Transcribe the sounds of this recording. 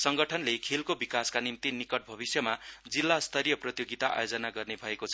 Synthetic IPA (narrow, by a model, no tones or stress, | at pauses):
sʌŋɡʌʈʰʌnlekʰelkobikaskanimt̪inikʌʈ̚bʱʌbisjʌmad͡zilːast̪ʰʌɾijʌprʌt̪joɡit̪aʔa̰jod͡zʌnaɡʌrnebʱʌekot͡sʰʌ